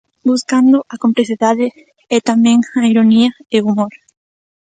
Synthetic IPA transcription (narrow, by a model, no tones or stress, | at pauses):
buskand̪oʔakomplesiðaðe | et̪amẽŋaiɾoniaeumoɾ